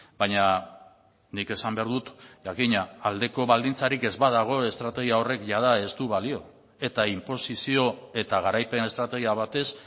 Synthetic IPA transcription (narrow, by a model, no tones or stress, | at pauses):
bajɲa | nike̞sambeaɾðut̪ʝakiɲaːld̪e̞ko̞βald̪int͡saɾike̞zβaðaɣ̞o̞e̞st̪ɾat̪e̞ɣ̞iao̞re̞kʝað̞ae̞st̪uβalio̞ | e̞t̪aimpo̞sisio̞e̞t̪aɣaɾajpe̞ne̞st̪ɾat̪e̞ɣ̞iaβat̪e̞s